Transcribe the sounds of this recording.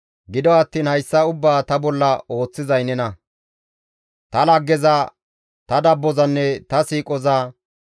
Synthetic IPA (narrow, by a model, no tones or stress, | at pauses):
ɡɪd̪ɔɐt̪ːiːnhɐjsːɐʊbːaːt̪ɐbɔlːɐo̞ːt͡sːɪzɐjnɛnɐ | t̪ɐlɐɡːɛzɐ | t̪ɐd̪ɐbːɔzɐnːɛt̪ɐsiːkʼɔzaː